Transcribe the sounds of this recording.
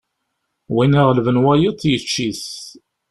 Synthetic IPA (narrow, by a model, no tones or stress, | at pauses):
winæʁlvənwæjət̪ˤːjət͡ʃːiθ